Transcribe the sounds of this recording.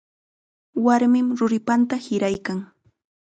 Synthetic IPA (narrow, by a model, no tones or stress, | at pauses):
waɾmɪmɾʊɾɪpant̪ahɪɾajkaŋ